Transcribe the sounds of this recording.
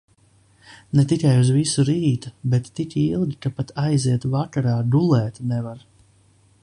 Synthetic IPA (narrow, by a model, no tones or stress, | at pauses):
nɛt̪ikajuzvisuɾiːt̪ubɛt̪ːikilˠɡʲikapat̪ʰajziɛt̪vakaɾaːd̪ulˠɛːt̪nɛvaɾ